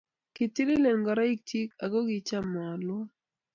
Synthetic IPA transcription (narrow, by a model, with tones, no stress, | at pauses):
kɪ˨ti˦lɪ˦le˨nɡɔ˨ɾa˦i˦k̚ti˦ka˨ɡo˦ɡɪ˨t͡ʃa˦mɔ˨lwɔ˦